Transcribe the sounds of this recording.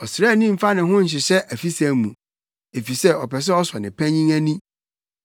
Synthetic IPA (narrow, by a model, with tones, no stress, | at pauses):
ɔ˨sɾa˦˨nĩ˦m̩˨fa˦nɪ̃˨ɦʊ̃˦ɲ̩˨ɕ̬ɪ˨ɕɛ˦ʔæ˨fi˦sa˨mũ˨ | e˨fi˨sɛ˦ɔ˨pɛ˨s̬ɛ˦ɔ˦swa˨nɪ̰̃˨pʰæ̃˦ɲĩ˦ŋæ˦nĩ˦